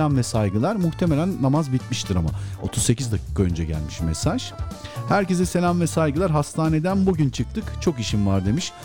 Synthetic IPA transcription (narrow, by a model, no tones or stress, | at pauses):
amvɛsajɡɯlˠaɾmuxt̪ʰemelʲænːamazbit̪miʃt̪ʰiɾama̰o̞̰t̪ʰuzse̞cizd̪acʰi̥ːkʰaø̞nd͡ʒɛɟæ̰lʲmiʃmesaʒ̥ | hæɾce̞zɛse̞lʲamvɛsajɡɯlˠaɾɦast̪ʰaːne̞d̪ænbuɟynt͡ʃʰɯk̚t̪ʰɯkt͡ʃʰo̞kiʃinvaɾd̪e̞miʃ